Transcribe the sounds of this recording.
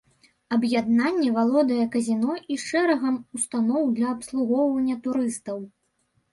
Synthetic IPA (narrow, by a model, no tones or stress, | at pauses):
ɐbjad̪̚nanʲːɛvalˠɔd̪ɐjɐkɐzʲinɔʔiʂɛɾɐɣɐmust̪anɔwd̪lʲɐːpslˠuɣɔwvɐnʲːɐt̪uɾɨst̪ɐw